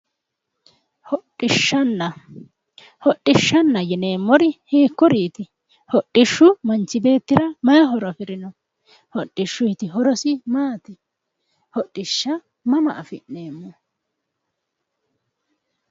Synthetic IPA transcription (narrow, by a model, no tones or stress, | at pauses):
hɔɪʃːɐnːɐ | hɔɗːɪʃːɐnːɐjɛne̞ːmːɔɾɪheːkːɔɾiːt̪ɪ | hɔɗːɪʃːʊmɐnt͡ʃːɪbe̞ːt̪ːɪɾɐmɐjɐɦɔɾɐfɪɾɪnɔ | hɔɗːɪʃːʊhɪt̪ɪɦɔɾɔsɪmaːt̪ɪ | hɔɗːɪʃːɐ | mɐmɐ̰ʔɐfɪneːmːɔ